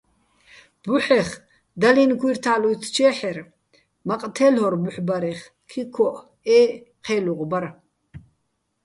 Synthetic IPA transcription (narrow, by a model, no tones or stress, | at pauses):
b̥uħɛχ | d̪alinkʰwiɾt̪ʰaːlut͡s̪ʰt͡ʃʰɛːħɛɾ | maqʼt̪ʰɛlhɔɾbuħbaɾɛχ | kʰikʰɔʔ | ɛː | qʰɛːluʁbaɾ